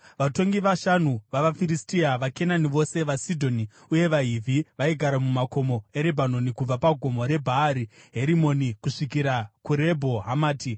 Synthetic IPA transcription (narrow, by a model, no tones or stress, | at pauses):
ʋato̞ŋɡiʋaʃanuʋaʋafiɾistiaʋake̞naniʋo̞se̞ʋasidʱo̞ni | uje̞ʋaɦivʱiʋaiɡʱaɾamumako̞mo̞e̞ɾebʱano̞nikub͡vapaɡʱo̞mo̞ɾe̞bʱaːɾiɦe̞ɾimo̞nikuʂikiɾakuɾe̞bʱo̞ɦamaːti